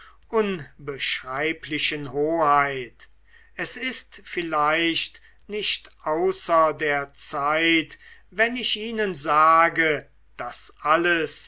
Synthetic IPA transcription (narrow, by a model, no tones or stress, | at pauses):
ʔʊnbəʃʁaɪpʰlɪʃənhoːhaɪt | ɛsɪstfɪlaɪʃt | nɪʃtʔaʊsɐdeːɐt͡saɪtvɛnɪʃiːnənzaːɡə | d̥asʔaləs